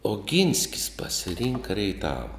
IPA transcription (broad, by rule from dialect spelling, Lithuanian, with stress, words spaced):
oːˈɡʲɪnʲsʲkʲɪs pɐsʲɪˈrʲɪŋkɐ rʲɛɪˈtɑːʋɐ